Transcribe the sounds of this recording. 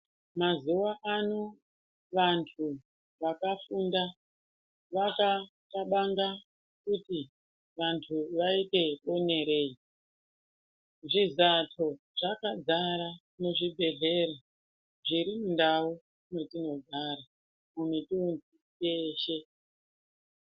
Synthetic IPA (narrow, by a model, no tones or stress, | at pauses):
mazuwaʔano | ʋantʰu | ʋakafunda | ʋaka | taɓaŋɡa | kuti | ʋantʰuʋaite̞one̞ɾe̞i | ʐizatʰo̞ | ʐ̥akad͡zaɾa | muʐibʱe̞ɮe̞ɾa | ʐiɾimundau | ne̞tino̞ɡʱaɾa | munetiunzi | eːʃe̞